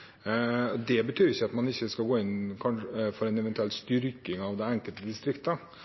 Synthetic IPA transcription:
ɔd̪ɛbət̪ʰyːɾɪçːəɑt̪mɑnɪçːəskɑlɡoːɪnkʰɑnəfɔɾɛnɛʋɛnt̪ʉɛlt̪st̪ʏɾkɪŋɑʋd̪ɛɛŋkəlt̪əd̪ɪst̪ɾɪkt̪əə

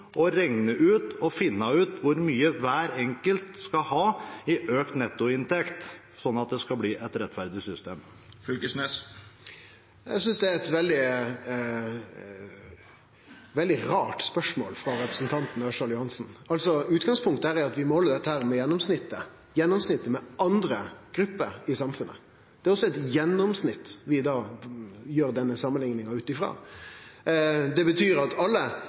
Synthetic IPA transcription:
ɔɾɛŋnəʔʉːt̪ɔfɪnːɑʉːt̪ʋʊɾmyːəʋæːɾɛŋkəlt̪skɑhɑːɪʔøːkt̪nɛt̪ːʊɪnt̪ɛkt̪ | sɔnɑt̪̚d̪ɛskɑbliːʔɛt̪ɾɛt̪fæɾd̪ɪsʏst̪eːm | fʏlkəsneːs | ɛ̰sʏnsd̪ɛæɛt̪ʋɛld̪ɪ | ʋɛld̪ɪɾɑːʈspœʂmo̰ːlfɾɑɾɛpɾəsn̩t̪ʰɑnt̪n̩ɑʂɑljʊhɑnsn̩ɑlsɔʉːt̪ɡɑŋspʰʊŋkt̪əhæːɾɛɑt̪ʋɪmoːɔləd̪ɛt̪ːəhæːɾmɛjɛnːɔmsnɪt̪ːə | jɛnːɔmsnɪt̪ːəmɛɑnd̪ɾəɡ̥ɾʉpːəɾɪsɑmfʉnːʔə̰ | d̪̥ɛɾɔsːɔɛt̪jɛnːɔmsnɪt̪ːʋɪd̪ɑːjøːɾd̪ɛnːəsɑmːənlɪŋnɪŋɑʉːt̪ɪfɾɑ̰ː | d̪ɛbət̪ʰyːɾɑt̪ʰɑlːə

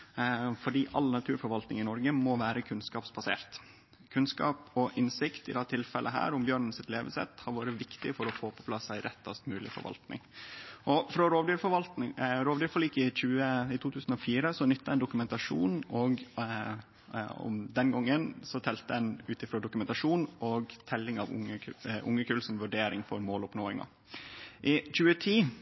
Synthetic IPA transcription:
fɔɖiːʔɑlnɑt̪ʰʉːɾfɔɾʋɑlt̪nɪŋɪnɔɾɡəmɔʋæːɾəkʰʉnskɑːpsbɑsḛːɾt̪ | kʰʉnskɑ̰ːpɔʔɪnsɪkt̪ɪd̪ɛt̪ʰɪlfɛlʔəɦæ̰ːɾʊmbjøːɳn̩sɪt̪leːʋəsɛ̰t̪hɑɾʋɑːɾəʋɪkt̪ɪfɔɾɔfoːpʰɔ̥pʰlɑsæɪɾʔɛt̪ːɑ̰st̪mʉːlɪ̰fɔ̰ɾʋɑ̰lt̪nɪ̰ŋʔɔfɾɔɾoːʋd̪yːɾfɔʋɑlt̪nɪŋɾoːʋd̪yːɾfɔliːkɪc͡çʉːəɪt̪ʰuːt̪ʰʉːsən̩ɔfiːɾəsɔnʏt̪ːɑɛnd̪ʊkʉmɛnt̪ɑʂṵːnɔɡ | ɔ̰md̪ɛnɡɔŋːənsɔt̪ʰɛlt̪əɛnʉːt̪ɪfɾoːd̪ʊkʉmɛnt̪ɑʂuːnʔɔɡt̪ʰɛlːɪŋɑːʋʊ̰əʔʊŋːəkʰʉːlsɔmʋʉɖeːɾɪŋfɔɾmoːlʊpnoːɪŋɑ̰ | ʔɪc͡çʉːət̪ʰiː

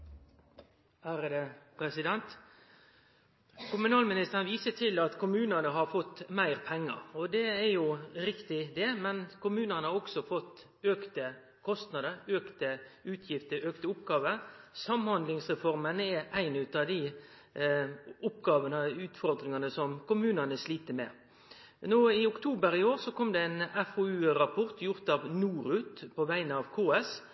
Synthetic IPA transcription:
hæɾəd̪ɛpʰɾɛsɪd̪ɛnt̪ | kʰʊmʉnɑːlmɪnɪst̪əʁənʋiːsəʈʰɪlɑt̪kʰʊmʉːnənəɦɑɾfɔt̪ːmæɪʁpʰɛŋːə̰ɾɔd̪ɛɛjʊɾɪkt̪ɪd̪ɛmɛnkʊmʉːnənəhɑɾɔksɔfɔt̪ː | øːkt̪ə | kʰɔst̪nɑd̪əɾøːkt̪əʉːt̪ʰjɪft̪əɾøːkt̪əʊpɡɑːʋəɾsɑmːhɑnd̪lɪŋsʁɛfɔɾmənɛʔæɪnʉt̪ɑd̪ɪ | ʊpːɡɑːʋənəʉːt̪fɔɾd̪ɾɪŋɑnəsɔmkʊmʉːnənəsliːt̪əmɛ̰ | noːɪʊkt̪ʰuːbəɾɪoːɾsɔkʰɔmd̪ɛænɛfoːʉːɾɑpʰɔɾt̪ʰjʊɾt̪ɑʋnuːɾʉt̪pɔʋæɪnəɑʋkʰoːɛs

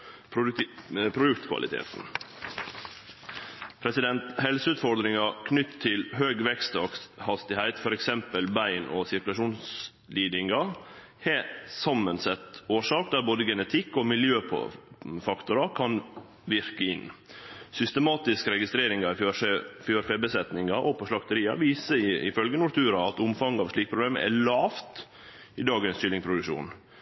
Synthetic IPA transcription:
p | pʰɾʊd̪ʉkt̪kʰʋɑ̰lʔɪ̰t̪ʰḛːt̪n | pʰɾɛsɪd̪ɛnt̪hɛlsəʉːt̪fɔɾd̪ɾɪŋɑkʰnʏt̪t̪ʰːɪlɦøːɡʋɛkst̪ɑkhɑst̪ɪhæɪt̪fɔɾɛksɛmpəlbæɪnɔsɪɾkʉlɑʂuːns | liːd̪ɪŋɑ | heːsɑmːənsɛt̪oːʂɑːk̚d̪æɾboːd̪əɡɛnət̪ʰɪkːɔmɪljøːpʰfɑkt̪ʊɾɑkʰɑn | ʋɪɾkəɪnːsʏst̪əmɑːt̪ɪskəɾɛɡɪst̪ɾeːɾɪŋɑføfjøːɾfeːbəsɛt̪nɪŋɑʔɔpʰɔʂlɑkt̪əɾiːɑ̰ʋiːsəɪɪ̰fœlɡənʊɾt̪ʰʉːɾɑɑt̪ʊmfɑŋːɑʋʂliːk̚pʰɾʊbleːmə̰ʔɛ̰ɭɑːʋt̪ | ɪd̪ɑːɡənsʃʏlːɪŋpʰɾʊd̪ʉʃṵːn

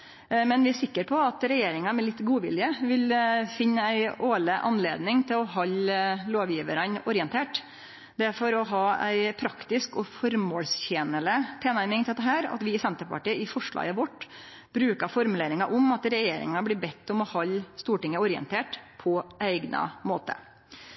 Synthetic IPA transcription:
mɛnʋɪæʂɪkːəɾpʰɔɑt̪ɾɛjeːɾɪŋɑmɛlɪt̪ːɡuːʋɪ̰ljəʋɪlfɪnːəæɪʔoːləʔɑ̰nlḛːd̪nɪŋt̪ʰɪlɔɦɑlloːʋjiːʋəɾɑnɔɾɪənt̪ʰeːʈ | d̪ɛfɔɾɔɦɑːæɪpʰɾɑkt̪ɪskɔfɔɾmoːlsçeːnələp̪ʰeːnæɾmɪŋt̪ʰɪt̪ːəɦæːɾɑ̰t̪ʋɪɪsɛnt̪əɾpɑ̰ʈiːəɪfɔʂɭɑ̰ːɡəʋɔʈː | b̥ɾʉːkɑfɔɾmʉleːɾɪŋɑʔɔmɑt̪ɾɛjeːɾɪ̰ŋɑblɪːbɛt̪ːɔmɔhɑlst̪uːʈɪŋːəɔɾɪə̰nt̪ʰeːʈpʰɔʔæɪɡnʔɑ̰mo̰ːt̪ə̰

